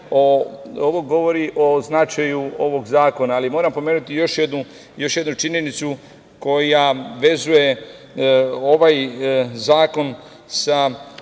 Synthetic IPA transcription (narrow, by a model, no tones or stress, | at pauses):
ooʋoɡo̞ʋo̞ɾiʔo̞znat͡ʃajuo̞ʋo̞ɡzaːko̞naːlimo̞ːɾampo̞meːnut̪ijo̞ʃje̞d̪nu | jo̞ʃje̞d̪nut͡ʃiɲe̞nit̪su | ko̞jaʋe̞zuje̞ | o̞ʋajzaːko̞n | sa